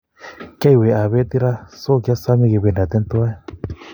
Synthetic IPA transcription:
ka˦i˨we˨a˨βe˦t̪i˦ɾa˦so˦kja˦sa˦mi˧˨ki˨βe˨na˨t̪e˧nt̪u˦a˦e˦

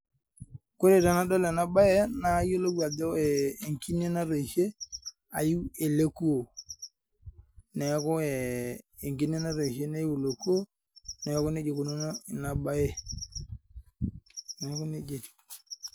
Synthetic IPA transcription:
ko˦ɾe˦˨ta˨na˦do˦le˨na˦ba˦je˦na˦jo˦lo˦bu˦a˨do˦eː˨ŋki˦ne˦na˦ɾe˨ʃe˦ | a˨ji˦e˨le˦ku˦o˨ | ne˨˦ko˦eː˨ŋki˦ne˦na˦ɾe˨ʃe˦na˦ji˦wu˨lo˨ku˦o˦ | ne˨˦ku˦ne˦d͡ʒe˨ku˨no˦n˦˨na˨ba˦je˦ | ne˨˦ku˦ne˦d͡ʒe˨ti̥˨

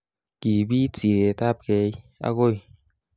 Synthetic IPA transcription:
ki˨˩bi˦t͡si˨e˨t̪a˦˨p̚kɛ˧˦ja̰˧ko˦˨j

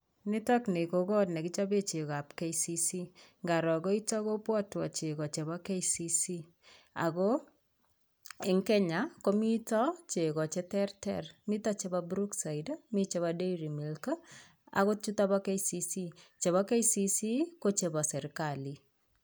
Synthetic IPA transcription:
ni˦tɔ˦kne˨ko˨kɔ˦tnɛ˨ki˦t͡ʃɔ˦be˦t͡ʃe˨ka˨pke˦isi˦si˦ŋɡa˨ɾɔ˨ko˦i˦tɔ˦ko˦pwɔ˦twɔ˨t͡ʃe˨kɔ˨t͡ʃe˨βɔ˦ke˦isi˦si˦ | a̰˨ko˦ | ɪ˨ŋkɛ˦ɲa˨ko˦mi˦tɔ˦t͡ʃe˨kɔ˨t͡ʃe˦tɛ˦rtɛ̰rmi˦tɔ˦t͡ʃe˦bɔ˦bɾu˦ksa˨idmi˦t͡ʃe˧βɔ˧de˦iɾi˨mi˨lka | a̰˨ko˦t͡ʃu˦tɔ˦bɔ˦ke˦isi˦si˦t͡ʃe˨βɔ˦ke˦isi˦si˦ko˦t͡ʃe˧bɔ˨sɛ˨ɾkali˨

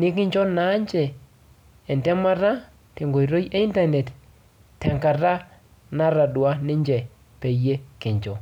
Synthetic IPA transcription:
nɪ˦kɪ˦ɲd͡ʒɔ˦na˨˦ɲd͡ʒɛː˨ | ndɛ˦ma˦ɾa˦ | te˨ŋɡo˨jɾo˦je˦i˦nta˨nɛ˨t | tɛ˨ŋka˨ɾa˦ | na˦ɾa˨dwa˦nɪ˦ɲd͡ʒɛ˨ | pe˨je˦kɪ˨ɲd͡ʒɔ˨

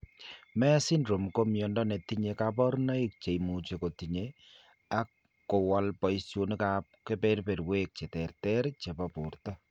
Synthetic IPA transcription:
mɛ˦si˦nɾo˨mko˦mjɔ˨ndɔ˦nɛ˨ti˦ɲe˨kap̬ɔ˦ɾna˦i˦k̚t͡ʃe˨jmu˨t͡ʃe˨ko˨ti˨ɲe | a˦kː | o˨wa˦lpɔ˨isjo˦nikap̚ke˦pe˦ɾpe˨ɾwe˦k̚t͡ʃe˨tɛ˨ɾtɛ˦ɾt͡ʃe˨pɔ˨pu˨rtɔ˦

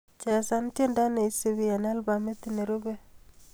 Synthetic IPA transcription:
t͡ʃɛ˨sa˦ntje˦nda˦ne˨i˦se˦wi˦a˨n˦a˦lba˨me˦t̪i˨ne˨ɾo˦ɡe˦

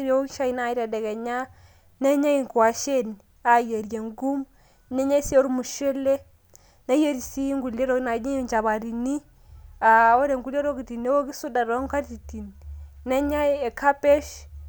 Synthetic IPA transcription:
ɾe˦wo˦ki˦ʃa˦i˨na˦˨i˦ɾa˨dɛ˨kɛ˨ɲa˦ | ne˦ɲa˦i˨ŋkwa˨ʃe˦n | a˨je˨ɾje˨ŋɡu˦m | ne˦ɲa˦i˦si˦o˦ɾmu˨ʃe˦le˦ | na˦je˦ɾi˨si˦ŋɡu˨le˦ɾo˦na˨ɲi˦˨ɲt͡ʃa˨ba˨ɾi˨ni˦ | a˨o˦ɾe˨ŋɡu˦le˦ɾo˦ki˨ti˨ne˦wo˦ki˦su˦da˨ɾɔ˦ŋka˦ɾti˨ti˨nːɛ˦ɲa˦je˨kʰa˦pe˦ʃ

